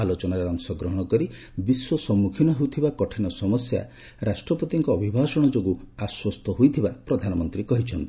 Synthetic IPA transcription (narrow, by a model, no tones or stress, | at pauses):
alot͡ʃɔnaɾeɔŋsɔɡɾɔɦɔɽ̃ɔkɔɾi | biswɔsɔmːukʰinɔɦewt̪ʰibakɔʈʰinɔsɔmɔsja̰ | ɾasʈɾɔpɔt̪iŋkɔːbʱibʱasɔɽ̃ɔd͡ʒoɡuaswɔst̪ʰɔɦojt̪ʰibapɾɔd̪ʱanɔmɔnt̪ɾikɔɦit͡ʃʰɔnt̪i̥